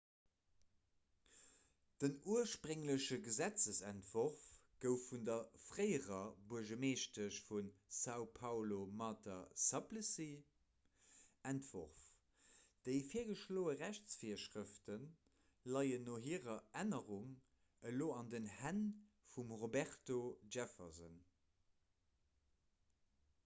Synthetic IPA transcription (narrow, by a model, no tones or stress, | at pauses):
d̥ənuəʃpʀəŋləɕəɡəzæt͡səsæntv̥oʁfɡ̥əʊfːundɐfʁəɪəʁɐbuɐʒəmeːʃtəɕfunsɑʊpʰɑʊlomɑtɐsɑpləsi | æntv̥oʁf | d̥əɪfiːɐɡəʃloːəʁæɕt͡sfiːɐʃʀəftən | lɑɪənoːɦiːʁɐænəʁuŋ | əloːɑndənhæn | fumʁobæχtoʒæfɐzə̰n